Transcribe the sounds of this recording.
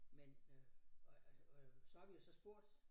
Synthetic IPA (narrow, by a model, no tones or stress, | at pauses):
men | sɒ̽hɑ̈ʋijosɒ̽sb̥o̝ɐ̰d̥